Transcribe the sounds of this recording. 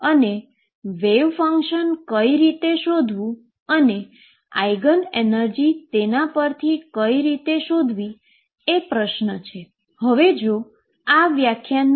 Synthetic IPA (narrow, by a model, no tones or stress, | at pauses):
əne | ʋeʋfəŋkʃənkəiɾit̪eʃod̪ʱʋũ | əne | a̰jɡənenəɾd͡ʒit̪enapəɾt̪ʰikəiɾit̪eʃod̪ʱʋi | epɾəʃnət͡ʃʰe | həʋed͡ʒo | aʋjakʰjan